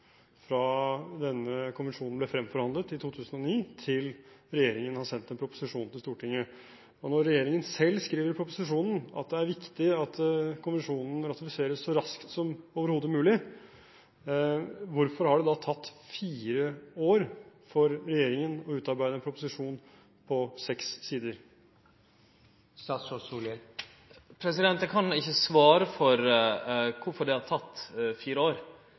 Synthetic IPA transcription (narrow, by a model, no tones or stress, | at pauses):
fɾɑd̪ɛnːəkʰʊnʋənʂuːnn̩blɛfɾɛmfɔɾhɑnd̪lət̪ɪt̪ʰuːt̪ʰʉːsənɔniːt̪ʰɪlɾɛjeːɾɪŋənhɑsɛnt̪ɛnpʰɾʊpʊ̥sɪʂuːnt̪ɪlst̪uːʈʰɪŋːə | ɔnɔɾːɛjeːɾɪŋənsɛlːskɾiːʋəɾpʰɾʊpʊsɪʂuːnn̩ɑ̰t̪̚d̪ɛæɾʋɪkt̪ɪɑt̪kʰʊnʋɛnʂuːnn̩ɾɑt̪ɪfɪseːɾəsːɔɾɑskt̪sɔmoːʋəɾhoːd̪əmʉːlɪ | ʋʊɾfɔɾhɑɖɛd̪ɑt̪ʰɑt̪ːfiːɾəoːɾfɔɾɾɛjeːɾɪŋənɔʉːt̪ɑɾbæɪd̪əɛnpʰɾʊpʊsɪʂuːn | pʰɔsɛksːiːd̪əɾ | ɑssl | pʰɾɛsɪd̪ɛnt̪əkʰɑnɪçːəsʋɑːɾəfɔɾ | kʰʊɾfɔɖɛhɑɾʈt̪ʰɑt̪ːfiːɾəoːɾ